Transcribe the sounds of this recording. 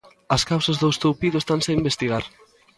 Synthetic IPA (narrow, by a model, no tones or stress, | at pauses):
ɐskawsɐzðoest̪uwpiðʊest̪anseimbest̪iɣaɾ